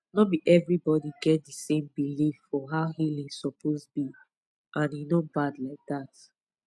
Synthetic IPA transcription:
nɔbiʔɛvɹibɔdiɡɛt̚dəsẽmbilifːɔɦaʊhilĩŋsɔpʰozbi | ʔãninobadlaɪk̚ðat

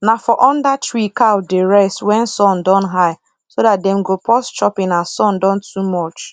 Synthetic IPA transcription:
nafɔʔɔ̃ndatɹikaʊdeɹɛswɛ̃nsɔ̃ndɔ̃nɦaɪ | sodat̚dɛm̩ɡopʰɔst͡ʃɔpɪ̃nasɔ̃ndɔ̃ntʰumɔt͡ʃ

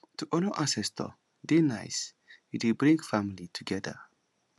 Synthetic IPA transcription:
tʰuʔɔnoʔãsɛstʰɔ̰ | denaɪs | itibɹĩŋɡfamilitʰuɡɛdə̰

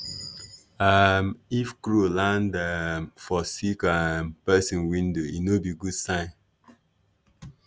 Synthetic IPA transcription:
amifkɾulãndamfɔsikampɛsĩnwĩndoinobiɡudsãn

